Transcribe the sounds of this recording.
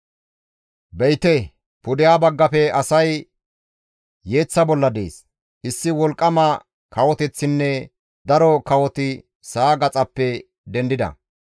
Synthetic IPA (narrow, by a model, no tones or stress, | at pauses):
bɛjt̪ɛ | pʊd̪ɪjaːbɐɡːɐfɛɐsɐj | je̞ːt͡sːɐbɔlːɐd̪e̞̰ːs | ʔɪsːɪwɔlkʼːɐmɐ | kʰɐwɔt̪ɛt͡sːɪnːɛ | d̪ɐɾɔkɐwɔt̪ɪ | saːɡɐt͡sʼɐpːɛ | d̪ɛnd̪ɪd̪ɐ̰